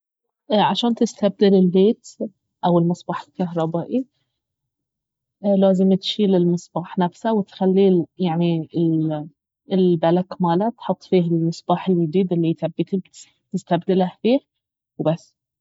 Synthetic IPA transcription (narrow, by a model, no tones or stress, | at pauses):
ʔʕaʃaːnt̪ɪst̪ab̚d̪ɪlɪlːeːt̪ | ʔawɪlmɨsˤbɑːħɪlkaɦɾˤɑbaːʔi | laːzɪmt̪ʃiːlɪlmɨsˤbɑːħnafsawɪt̪xalːiːjaʕniɪ | ɪlbalakmaːlat̪ħʊt̪ˤːfiːɦɪlmɨsˤb̥ɑːħɪljɪd̪iːd̪ɪlːit̪abːɪt̪ib | t̪ɪst̪ab̚d̪ɪlahfiːh | wbasː